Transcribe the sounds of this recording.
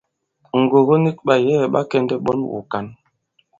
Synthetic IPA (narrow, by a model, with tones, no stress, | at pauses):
ŋ̩˨ɡo˨ɣo˦ni˦k̚ɓa˨jɛ˦˨ɓa̰˦kɛ˦ndɛ˦ɓɔ̰˦nwṵ˨ka˨n